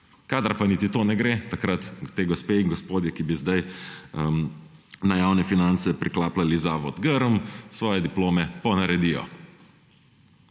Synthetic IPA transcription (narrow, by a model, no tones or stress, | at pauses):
kaːd̪aɾpanit̪it̪oːnɛɡɾeːt̪akɾat̪t̪eːɡɔspeːiŋɡɔspoːd̪jɛkibizd̪aj | najaːwnɛfinant̪sɛpɾʔiklaːplalizaːʋɔd̪ɡəɾɔmsʋɔːjɛd̪iploːmɛpɔnaɾɛd̪ijɔ̰